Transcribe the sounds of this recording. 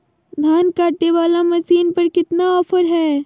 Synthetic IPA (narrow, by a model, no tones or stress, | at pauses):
d̪ʱjaːnkaːʈneʋaːlamɐsiːnpɐɾkɪt̪naɔːfəɾɦɛː